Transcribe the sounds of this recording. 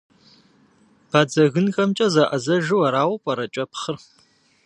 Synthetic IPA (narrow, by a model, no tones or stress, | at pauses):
b̥ʰaːd͡zɐɣɨnxɐmt͡ʃʼɐzaʔɐzɐʒɨwɐɾaːwpʼɐɾɐt͡ʃʼɐpχər